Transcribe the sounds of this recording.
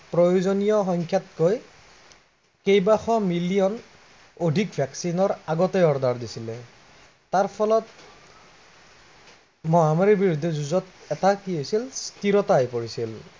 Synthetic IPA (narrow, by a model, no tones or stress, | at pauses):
pɹojozonijɔxɔŋkʰjat̚koj | kejbaxɔmilijɔn | odʱik̚bʱjaksinɔɹaɡɔtɛɔɹdaɹdisilɛ | taɹpʰɔlɔt̚ | mɔamaɹibiɹudʱːɛzuzɔtɛtakiojsilstiɹɔtajpoɹisil